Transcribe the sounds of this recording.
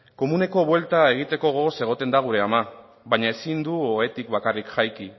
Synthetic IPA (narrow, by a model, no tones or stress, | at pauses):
ko̞mune̞ko̞βwe̞lt̪ae̞ɣ̞it̪e̞ko̞ɣo̞se̞ɣ̞o̞t̪e̞nd̪aɣ̞uɾe̞ama | βaɲae̞sind̪uoe̞t̪ikβakarikxajki